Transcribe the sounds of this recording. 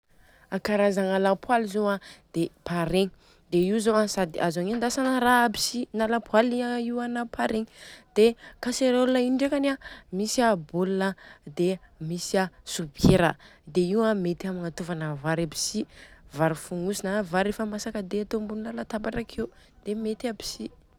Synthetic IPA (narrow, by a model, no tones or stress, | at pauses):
akaɾazaŋalapwalizoad̪̥epaɾeŋi | d̪̥eiwzoasad̪iʔazaŋend̪asanəɾabi̥sinalapwaliaiwanapʰaɾeŋid̪̥ekaseɾolunaiɳɖ͡ʐekanamisabolunəd̪e | misasubkeɾə̰d̪eiwamet̪iamiŋat̪uvanəvaɾabi̥sivaɾifuŋusinavaɾefəmasakəd̪eat̪ombunilalat̪apaʈ͡ʂakʰewd̪̥emet̪abi̥si